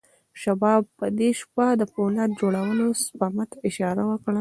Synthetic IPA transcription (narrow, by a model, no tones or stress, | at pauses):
ʃabɑb̚ːəd̪eʃpad̪əponat̪̚d͡ʒoɽawənospɑmat̪aɪʃɑɾawəkɽa